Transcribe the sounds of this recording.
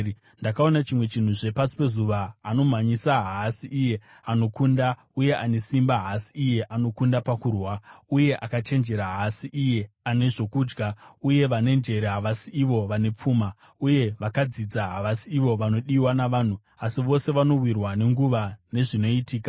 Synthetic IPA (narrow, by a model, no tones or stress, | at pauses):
ndakao̞nat͡ʃimwe̞t͡ʃin̤uʐe̞pasi̥pe̞zuʋaːno̞maɲisaɦasiʔije̞ | ano̞kunda | uje̞ane̞simbaɦasiije̞ʔano̞kundapakurwauje̞ʔakat͡ʃe̞nd͡ʒe̞ɾaɦasiʔije̞ane̞ʐo̞kuːd͡ʒɡauje̞ʋane̞nd͡ʒe̞ɾeɦaʋasiiʋo̞ʋane̞p͡fuːma | uje̞ʋakad͡zid͡zaɦaʋasiiʋo̞ʋano̞ɗiwanaʋaːn̤u | asiʋo̞se̞ʋano̞wirwane̞ŋɡuʋane̞ʐino̞itiːka